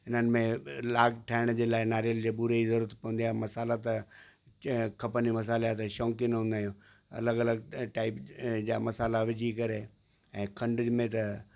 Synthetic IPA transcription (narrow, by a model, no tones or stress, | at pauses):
ɪn̤ənɪ̆mẽlaːɡʈʰaːɪɽ̃d͡ʑeːlaːɪnaːɾijəld͡ʑeːbuɾeizɐɾuːɾət̪pɐ̃ʋə̃nd̪ijaːmɐsaːlat̪ɐ | kʰɐpənimɐs̬aːljat̪ɐʃɔ̃ːŋkɪnɦũnd̪aːɦijũ | ɐ̰ləɡɐləɡʈaːɪpd͡ʑaːmɐsaːlaʋɪd͡ʑʱikɐɾe | ɛ̃ːkʰɐ̃ɳɖʊd͡ʑmẽt̪ɐ